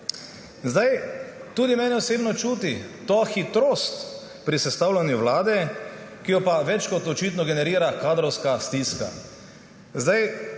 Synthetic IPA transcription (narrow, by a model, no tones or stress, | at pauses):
zd̪ajt̪uːd̪imɛːnɛɔseːbnɔt͡ʃuːt̪it̪oːxit̪ɾoːst̪ | pɾisɛst̪awlanjuʋlaːd̪ɛ | kijɔpaʋɛt͡ʃkɔt̪ɔt͡ʃiːt̪nɔɡɛnɛɾiːɾakaːd̪ɾɔwskast̪iska̰ | zd̪aj